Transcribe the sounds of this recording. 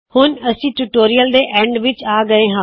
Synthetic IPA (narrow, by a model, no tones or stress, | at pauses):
hʊnəsĩːʈuʈoːɾijəld̪eːʔɛ̃ːɳɖʋɪt͡ʃaːɡəeːɦã